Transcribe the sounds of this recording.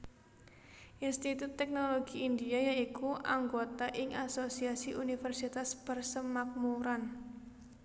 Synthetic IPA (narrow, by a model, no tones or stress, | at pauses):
ʔinst̪it̪ut̪ːɛk̚noloɡiind̪iajaikuʔaŋɡot̪aʔɪŋasosiasiʔunifɛrsit̪asb̥ərsəmak̚muɾan